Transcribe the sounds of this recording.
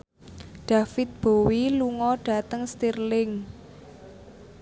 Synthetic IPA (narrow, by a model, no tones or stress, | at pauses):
ɖ̥afɪt̪̚b̥o̤wiluŋɔɖ̥a̤t̪əŋst̪irlɪŋ